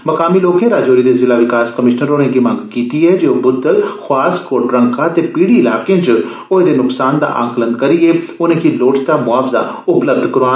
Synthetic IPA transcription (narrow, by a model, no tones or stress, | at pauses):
mɐkaːmiloːkẽɾaːd͡ʒoːɾid̪ezɪlaʋɪkaːskəmɪʃnəɾoːnẽkimãːŋɡkiːt̪iɦɛd͡ʒeobʊd̪ːəlxʊaːskoːʈɾə̃ŋkat̪epiːɽiɪla̰ːkẽd͡ʒ | od̪enʊksaːnd̪a̰ʔã̰ːŋklənkɐɾieʊnẽkiloːʈʰt̪amʊaːfza̰ʊpləb̚d̪kɾaː